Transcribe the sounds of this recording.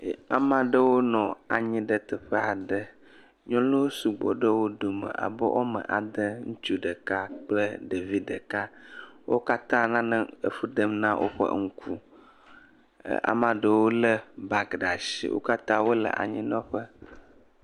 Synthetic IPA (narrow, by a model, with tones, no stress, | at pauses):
a˨mã˨ɖə˦wo˦nɔ̃˨a˨ɲĩ˦ɖə˦t̪ɛ˨ɸə˦a˨ɖə˦ | ɲɔ̃˦lo˦wo˦su˨ɡ͡bɔ̰˨ɖə˦wo˦d̪o˨mə̰̃˨ʔa̰˨bə̰˦ʔo˦mə̰̃˨ʔa˨d̪ə˦ŋũ˦t͡ʃu˦ɖə˨ka˦k͡plə˦ɖe˨vi˦ɖə˨ka˦wo˦ka˦t̪ã˦nã˦nə̃˦ə˨ɸu˦ɖə˦mnã˦wʔo̰˦ɸə̰˦ŋ̩˦kʰu˦˨ | a̰˨mã˨ɖə˦wo˦lə˦ba˨kɖa˨ʃḭ˨˦wʔo̰˦ka˦t̪ã˦wo˦lə̰˨ʔa̰˨ɲĩ˦nɔ̃˦ɸə˦